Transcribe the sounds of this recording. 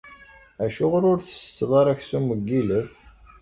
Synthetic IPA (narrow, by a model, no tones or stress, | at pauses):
æʃʊʁɾʊɾθə̥sə̥t͡sːðˤɑɾˤæçsuməɡːiləv